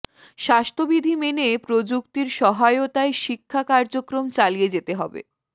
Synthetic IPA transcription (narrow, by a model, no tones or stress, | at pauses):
ʃast̪ʰobid̪ʱimenepɾod͡ʑuk̚t̪iɾʃɔɦaeot̪aeʃikʰːakaɾd͡ʑokɾomt͡ɕalied͡ʑet̪eɦɔbḛ